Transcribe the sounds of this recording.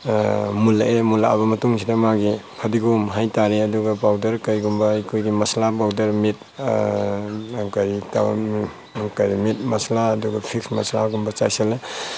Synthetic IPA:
mulaemulaa̰bɐmɐtuŋsʰidamaɡikʰadiɡumɦajtaɾeɐduɡapawdɐɾkɐjɡumbajkʰojɡimɐslapawdɐɾmit̚ | kaɾita | kaɾimit̚mɐslaːduɡapʰiksmɐ̰slaɡumbɐt͡ʃa̰jsele

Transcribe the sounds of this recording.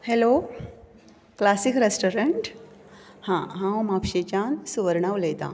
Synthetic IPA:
helo | klasikɾesʈoɾəɳʈ | hãɦãʋmapɕet͡ɕansuʋəɾɳaʋləjt̪ã̰

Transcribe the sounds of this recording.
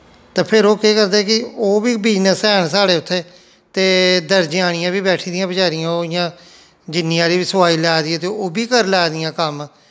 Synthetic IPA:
t̪ãːpʰɪɾoːkeːkəɾd̪eːkɪoːbiːbiːd͡ʒnəsɛːɳsaːɽeːʊt̪ʰːeː | t̪eːd̪əɾd͡ʒɪaːɽ̃ɪjãːbiːbɛːʈʰiːd̪ɪjãːbəd͡ʒaːɾɪjãːoɪjãː | d͡ʒɪnːĩːãːɾiːbisəʋaːiːlaːd̪iːɛːt̪eːoːbiːkəɾlɛːd̪ɪjãːkəm

